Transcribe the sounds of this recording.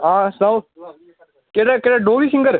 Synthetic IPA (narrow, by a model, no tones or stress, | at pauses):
ɦãːsa | keːɽaːkeːɽaːɖoːʋiːsɪ̃ŋɡəɾ